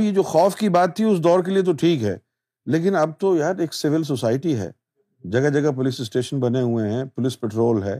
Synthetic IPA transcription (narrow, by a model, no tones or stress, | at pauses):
jed͡ʒoːxɔːfkibaːt̪ʰːiʊsd̪ɔːɾkeliet̪̬oʈʰiːkɦɛː | leːk̬ɪnɐb̚t̪ojaːɾeːksɪʋɪls̬osaːɪʈiɦɛ̰ː | d͡ʒɐɡad͡ʒɐɡap̬ʊlɪsɪsʈeːʃənbɐneɦueɦɛ̃ːpʊlɪspɛːʈɾoːlɦɛː